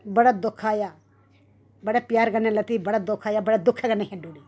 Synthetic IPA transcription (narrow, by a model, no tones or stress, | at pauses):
bəɽaːd̪ʊkʰːaːjaː | bəɽeːpjaːɾɡənːeːlət̪iːbəɽaːd̪ʊkʰːaːjaːbəɽeːd̪ʊkʰːeɡənːeːɦɪ̃ɳɖuːɽiː